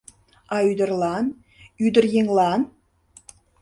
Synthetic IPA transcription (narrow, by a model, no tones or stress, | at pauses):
ɑyd̪ə̆rlɑn | yd̪ə̆rjeŋlɑn